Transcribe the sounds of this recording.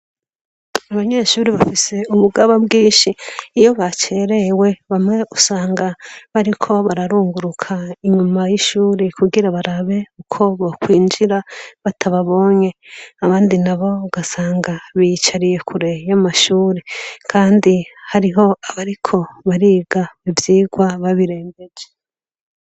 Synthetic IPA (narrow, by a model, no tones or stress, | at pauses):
aβaɲe̞ʃuːɾiβafise̞uβuɡaβabɡiːnʃiːjo̞βat͡ʃe̞ːɾe̞we̞βamŋe̞ʔusaːŋɡaβaɾikʰo̞βaɾaɾuːŋɡuɾukʰaiɲumajiʃuːɾekuɡiɾaβaɾaβe̞ukʰo̞βokwiːnd͡ʒiɾaβatʰaβaβo̞ːɲe̞aβaːndinaβo̞uɡasaːŋɡaβit͡ʃaɾije̞kʰuɾejamaʃuːɾekʰaːndihaɾiɦo̞aβaɾikʰo̞βaɾiːɡaβivjiːɡwaβaβiɾeːmbe̞d͡ʒe